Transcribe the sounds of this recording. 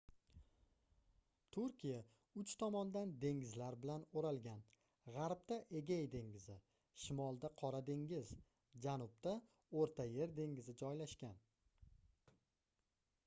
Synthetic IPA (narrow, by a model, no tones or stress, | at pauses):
t̪ʰʊɾkʲʰija | ʊt͡ʃt̪ʰɒmɒnd̪and̪e̞ŋɪzlaɾbɪlanoɾalˠɡʲan | ʁɑɾp̚t̪aʔe̞ɡʲajd̪e̞ŋɡʲɪzɪ | ʃɪmɒlˠd̪aqʰɒɾad̪e̞ŋɡʲɪz | d͡ʒanʊp̚t̪a | oɾt̪ʰaje̞ɾd̪e̞ŋɡɪzɪd͡ʒɒjlaʃkʲan